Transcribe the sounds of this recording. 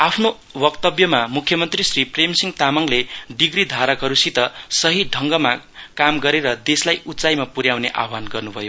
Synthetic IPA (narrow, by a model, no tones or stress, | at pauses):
apʰno | bʌkt̪ʌbjʌmamukʰjʌmʌnt̪risripremsiŋt̪amaŋleɖiɡɾid̪ʱaɾʌkɦʌɾusit̪ʌsʌɦiɖʱʌŋɡʌma | kamɡʌɾeɾʌd̪eslajut͡sajmapuɾjawneʔa̰anɡʌrnubʱʌjo